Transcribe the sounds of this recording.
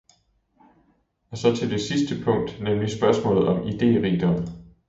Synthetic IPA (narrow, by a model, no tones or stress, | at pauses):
ɒsɒ̽t͡sʰe̝ld̥e̝sisd̥əpʰɔ̽ŋ̰d̥nemlisb̥ɶɐsmɔ̰̽ːlð̞̩ˠɒ̽mid̥e̝̰ːʁḭd̥ɒm